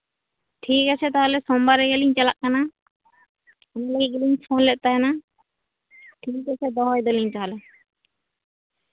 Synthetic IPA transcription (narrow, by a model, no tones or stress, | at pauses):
ʈʰikat͡ʃʰɛt̪aɦɔlɛsɔmbaɾɛɡɛliɲt͡ʃalaʔkana | ɔnalaɡiɡɛliɲsʰɔnlɛʔ̚t̪aɦɛna | ʈʰikat͡ʃʰɛd̪ɔɦɔjd̪ɔliɲt̪aɦɔlɛ